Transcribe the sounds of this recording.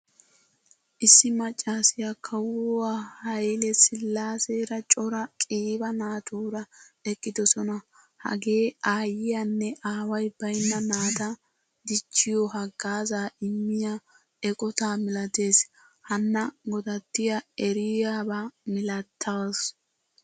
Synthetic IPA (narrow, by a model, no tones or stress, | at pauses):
ʔɪsːɪmɐt͡ʃʼːaːsɪjakʰɐwʊwahɐjlɛsɪlːaːseːɾɐt͡ʃʼɔɾɐkʼiːbɐnaːt̪ʰuːɾɐɛkʼːɪd̪ɔsɔnɐ | hɐ̰ɡe̞ːaːjɪjanːɛʔaːwɐjb̥ɐjnːɐnaːt̪ɐ | d̪ɪt͡ʃːɪjɔɦɐɡaːzaːʔɪmːɪja | ɛkʼɔt̪aːmɪlɐt̪e̞ːs | hɐnːɐɡɔd̪ɐt̪ːɪjɐɛɾɪjabamɪlɐt̪ʰːas